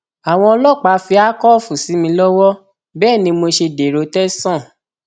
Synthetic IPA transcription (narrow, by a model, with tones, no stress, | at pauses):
a˨w̃ɔ̃˧ɔ˧lɔ˦˨k͡pa˨˦fi˧a˦kɔ˦fu˨si˨˦mĩ˧lɔ˦wɔ˦ | bɛː˦˨nĩ˧mo˧ʃe˧de˨ɾo˨˧tɛ˦sɔ̃˦˨